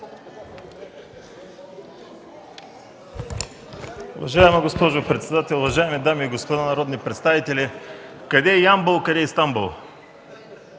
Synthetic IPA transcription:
ʊvɐʒaɛmɐɡospɔʒopɾɛt̪sɛd̪at̪ɛlˠʊvɐʒaɛmid̪amiːɡospod̪anɐɾɔd̪nipɾɛt̪st̪avit̪ɛlʲikɐd̪ɛjambolˠkɐd̪ɛist̪ambulˠ

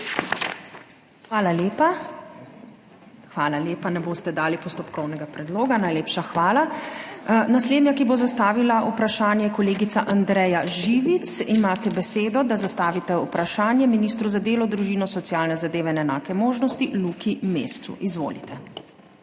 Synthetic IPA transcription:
xʋaːlalepa | xʋaːlaleːpanɛboːst̪ɛd̪aːlipɔst̪ɔpkɔwnɛɡapɾɛd̪loːɡanajleːpʃaxʋaːla | nasleːd̪njakibozast̪aːʋilaʔupɾaʃaːnjɛjɛkɔleːɡit̪saʔand̪ɾɛjaʒiːʋit̪simaːt̪ɛbɛseːd̪ɔd̪azast̪aːʋit̪ɛupɾaʃaːnjɛminiːst̪ɾuzad̪eːlɔd̪ɾuʒiːnɔsɔt̪sijaːlnɛzad̪eːʋɛnɛnaːkɛmoːʒnɔst̪ilukimḛːst̪sṵʔizʋo̰ːlḭt̪ɛ

